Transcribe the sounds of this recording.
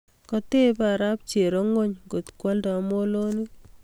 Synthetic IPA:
kɔ˦te˦paɾa˦p̚t͡ʃe˨ɾɔ˦ŋo˦ɲŋɡo˨tkwa˦ldɔ˨mo˦lo˦ni˦

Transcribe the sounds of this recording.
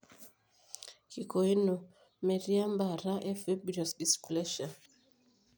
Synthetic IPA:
ki˨ko˨i˦no˨ | mɛ˨ɾi˦a˦mba˨ɾa˦ʔɛ˦fe˦bɾɔ˨si˨splɛ˦ʃa˨

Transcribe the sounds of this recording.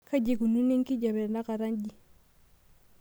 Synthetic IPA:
ka˦ɟe˨ɡu˨nu˦ni˦ŋki˦ɟa˨bɛ˨ɾna˦ka˨ɾa˦nɟi˦

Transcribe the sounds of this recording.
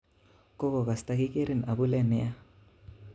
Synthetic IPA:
ko˦ko˨ka˨st̪a˦ki˦ke˦ɾɪ˨na˨bu˦lɛ˦nɛ˦a˦

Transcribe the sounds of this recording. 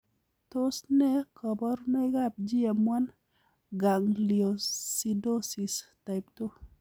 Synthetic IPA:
to˦snɛ˦kɔ˨bɔ˦ɾnɛ˦ɡa˦p̚d͡ʒi˦e˨mwa˦n | ɡa˨ŋlio˨si˨do˦si˨sta˨ɪpto˦

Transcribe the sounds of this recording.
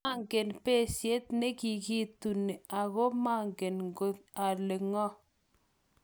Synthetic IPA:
a˦ŋɡe˨npe˦˨sje˦t̪ne˦ki˨ki˦tu˨ne˨a˨ɣo˦ma˦ŋɡe˨nŋɡo˦t̚a˨le˨ŋɔ˦

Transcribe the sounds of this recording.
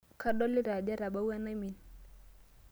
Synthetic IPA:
ka˦ɗɔ˦li˦ɾa˨d͡ʒa˦ɾa˨ɓa˦wa˦na˦mi˨n

